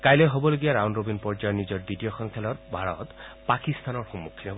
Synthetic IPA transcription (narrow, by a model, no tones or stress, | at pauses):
kajlɔjɦobɔloɡiaɾawnɹobinpɔɹd͡ʒajɔnizɔɹdiʈijɔxɔŋkʰɛlɔɹbʱaɹɔ̰t̪pakist̪anɔɹxɔmːukʰːilɔb